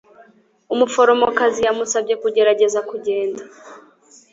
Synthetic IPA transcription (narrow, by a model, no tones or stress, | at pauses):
umufo̞ɾo̞mo̞kazijamusabɟe̞kuɟe̞ɾaɟe̞zakuɟe̞ːnda